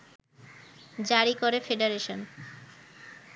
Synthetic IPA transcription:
d͡ʑaɾikoɾefeɖeɾeʃon

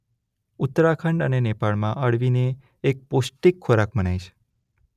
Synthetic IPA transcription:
ʊt̪ːɾakʰəɳɖənenepaɭmãʔəɽʋineː | k̚posʈikʰːoɾakmənajʃʰe̥

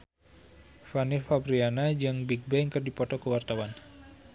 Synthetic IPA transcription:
fanifabɾianad͡ʒɨŋbiɡ̚bɛjŋkɨrdipɔt̪ɔkəwart̪awan

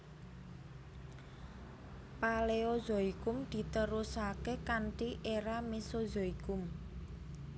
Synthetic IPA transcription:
paleozoikʊmd̪̥i̤t̪əɾusakekaɳʈiʔeɾamisozoikʊm

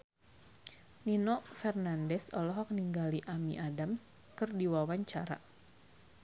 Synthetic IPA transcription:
ninɔfɛrnandɛsɔlɔɦɔk̚niŋɡaliʔamḭʔadams | kɨrdiwawaɲt͡ʃaɾa̰

